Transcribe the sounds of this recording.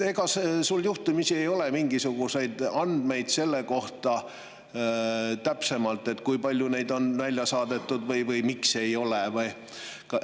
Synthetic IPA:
e̞ɡ̥ɑsesulːjuht̪umisie̞jo̞lemiŋɡisuɡ̥use̞jd̪̥ɑnd̪̥me̞jd̪̥se̞lːe̞ko̞ht̪ɑ | t̪æpse̞mɑlt̪ːˑe̞t̪kujpɑlʲjune̞jd̪o̞nvælʲjɑsɑːd̪̥e̞t̪ːˑud̪̥vɤjvɤjmikse̞jo̞levɤj | kɑ

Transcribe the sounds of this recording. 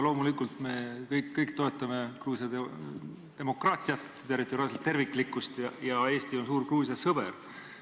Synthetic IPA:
lo̞ːmulikːˑult̪me̞kɤjkːɤjkt̪o̞e̞t̪ːˑɑmekruːsjɑe | t̪e̞mo̞krɑːt̪ʲˑijɑt̪ | t̪erit̪ːˑo̞ɾiɑlset̪ːe̞rvikːˑlikːˑust̪jɑjɑe̞ːst̪io̞ns̬uːrkruːsjɑsɤb̥ḛr

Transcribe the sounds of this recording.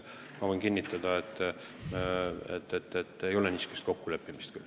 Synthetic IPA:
mɑo̞jnkinʲːit̪ːˑɑd̪̥ɑet̪ˑː | ḛt̪ːet̪ːet̪ːejo̞lenʲiːsu̥kest̪ko̞kːule̞pːimist̪kyl

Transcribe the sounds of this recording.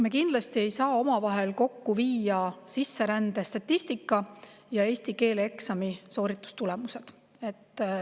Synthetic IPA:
mekind̪lɑst̪ie̞jsɑːomɑvɑɦe̞lko̞kːuviːjɑsisːe̞ɾænd̪̥e̞st̪ɑt̪ʲːist̪ikːˑɑ | jɑe̞ːsʲt̪ike̞ːleksɑmiso̞ːɾit̪ːˑu̥st̪ule̞muse̞d̪̥ | e̞t̪ːˑ

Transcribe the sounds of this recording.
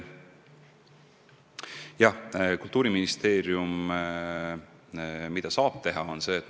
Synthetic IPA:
jɑhkult̪ːˑuːɾiminist̪e̞ːɾjum | mid̪̥ɑsɑːb̥̚t̪e̞ɦɑo̞nse̞ːt̪ː

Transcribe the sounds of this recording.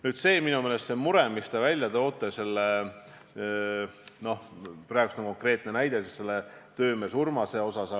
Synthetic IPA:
nyːd̪se̞ːminumeːle̞st̪semuɾemist̪ɑvælʲjɑt̪o̞ːt̪ːˑese̞lːe | no̞hprɑːˑeɡust̪oŋko̞ŋkre̞ːt̪ˑne̞næjd̪̥esisːe̞lːe̞t̪ø̞ːme̞surmɑse̞o̞sɑsɑ

